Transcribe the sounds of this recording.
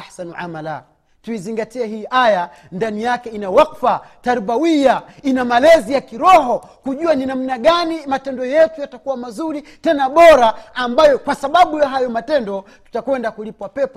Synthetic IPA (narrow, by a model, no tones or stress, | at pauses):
asanuʕa̰mala̰ | tuiziŋɡatiɛɦiːʔaja | ndanijakɛinawaqfataɾubawijainamalɛzijakiɾɔɦɔ | kuʄuaninam̩naɠanimatɛndɔjɛtujatakuwamazuɾi | tɛnaɓɔɾaːmbajɔkwasaɓaɓujaɦajɔmatɛndɔ | tu̥takwɛndakulipwapɛpɔ